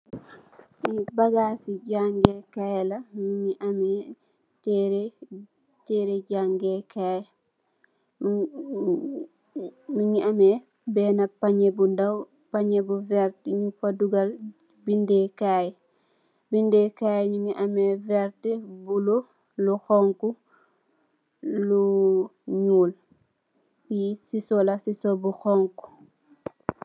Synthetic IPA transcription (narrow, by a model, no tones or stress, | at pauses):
mibaɡasiɟaŋɡɛkajlamiŋiʔamɛ | tɛɾɛ | tɛɾɛɟaŋɡɛkʰajɛ | miɲiamɛ | bɛːnapaɲebundaw | paɲɛbuvɛɾtiɲufaduɡal | bindɛkaːj | bindɛkajɲuŋiʔamɛvɛɾtɛbulo | luxɔŋku | lu | ɲuːl | pisisɔlasisobuxɔŋku̥